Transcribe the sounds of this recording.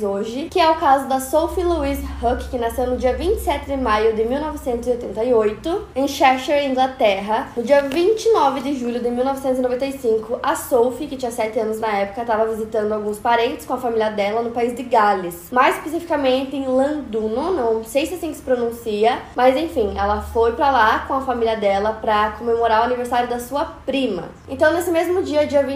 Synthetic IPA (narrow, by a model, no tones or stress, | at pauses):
oʒɪkɪɛʊkazʊd̪ɐsowfiluizhokkɪnasewnʊd͡ʒiɐvĩnt͡ʃɪ̥sɛt̪ɪd̪ɪmajʊd̪ɪmiwnɔvɪsẽnt̪ʊzɪojt̪ẽnt̪ɐiojt̪ʊẽj̃ʃɛʃɛɾĩɡlat̪ɛɦɐnʊd͡ʒiɐvĩnt͡ʃɪnɔvɪd̪ɪʒuʎʊd̪ɪmiwnɔvɪsẽnt̪ʊzinovẽt̪ɐjsĩŋkʊʔɐsowfikɪt͡ʃĩɲɐsɛt̪ɪɐ̃nʊznɐɛpʊ̥kɐt̪avɐvizit̪ɐ̃nd̪ʊawɡũspaɾẽnt̪ɪskõɐfamiliɐd̪ɛlɐnʊpaizd̪ɪɡalɪsmajzispesifi̥kamẽnt̪ɪẽlɐ̃d̪unonɐ̃w̃sejsesĩksɪ̥pɾonũsiɐmɐzẽfĩɛlɐfojpɾɐlakõɐfamiliɐd̪ɛlɐpɾɐkõmemoɾaɾʊaniveɾssaɾjʊd̪ɐsuɐpɾĩmɐ̰ | ẽnt̪ɐ̃w̃nesɪmezmʊd͡ʒiɐd͡ʒiɐvĩ